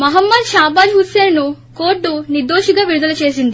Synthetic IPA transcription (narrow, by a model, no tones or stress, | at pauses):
mɐɦəmːəd̪ɕabad͡ʑɦut̪senuː | koʈːunid̪oɕiɡaʋiɾud̪əlt͡ɕesind̪i